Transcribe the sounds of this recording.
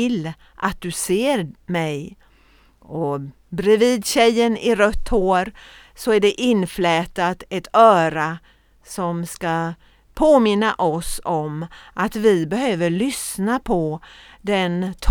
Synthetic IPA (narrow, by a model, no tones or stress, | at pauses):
ɪlː | ʔat̪̚d̪ɵseːɾmɛj | ɔ | bɾɪviːd̪ɕɛjːənɪɾœt̪ʰːhoːɾ | sɔæɖɛʔɪnːflɛːt̪at̪ɛt̪ʰœːɾa | sɔmska | pʰoːmɪnːaʔɔsɔmʔat̪vɪbɛhøːvəɭʏsnapʰɔd̪ɛnt̪ʰ